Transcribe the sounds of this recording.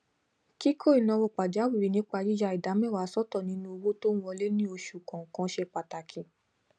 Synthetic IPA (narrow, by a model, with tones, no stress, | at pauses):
ki˦kʰo˦˨i˨nɔ̃˧wɔ˨k͡pa˨d͡ʒa˨˦wi˦˨ɾi˨nĩ˦k͡pa˧d͡ʒi˦d͡ʒa˧˨i˨da˨˦mɛ̃˦˨wa˨˦sɔ˦tɔ˦˨nĩ˨˦nũ˦o˧wo˦tõ˦ɔ˧le˦nĩ˦o˧ʃu˨kã˨kã˨˧˦ʃe˧k͡pa˨ta˨kʰi˨